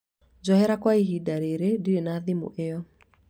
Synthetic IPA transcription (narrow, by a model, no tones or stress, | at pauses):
d͡ʒɔhɛɾakwaiɦidaɾeɾediɾenaðimo̰ʔejɔ